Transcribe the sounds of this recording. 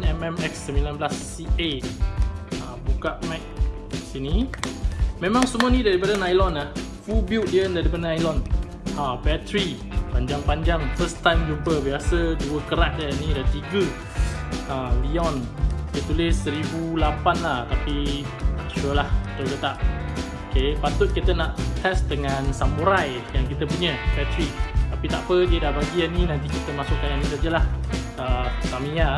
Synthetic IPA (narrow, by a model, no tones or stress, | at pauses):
nɛmɛmɛksːəmbilanbəlas | iʔe | abukaʔmɛk̚ | sini | mẽmãŋsəmũanĩdaɾipadənajlɔnah | fubiwʔ̚diəndaɾipadənajlɔn | abɛt̪ɾi | paɲd͡ʒaŋpaɲd͡ʒaŋfəst̪ajmd͡ʒumpəbiasəduəkəɾaʔ̪̚dənĩdat̪iɡə | əliɔndət̪ulɪsəɾibulapanlaht̪api | t͡ʃuəlahit̪oɡət̪aʔokepat̪ʊt̪̚kit̪ənaʔt̪ɛsdəŋansamuɾaj | jaŋkit̪əpuɲəfɛt̪ɾit̪apit̪aʔpədiədabaɡianinãnt̪ikit̪əmasʊʔkananĩsad͡ʒəlah | əsamĩa